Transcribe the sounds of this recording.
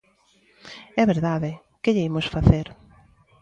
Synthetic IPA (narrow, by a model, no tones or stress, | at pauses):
ɛβeɾðaðɪ | keʎeimosfaθeɾ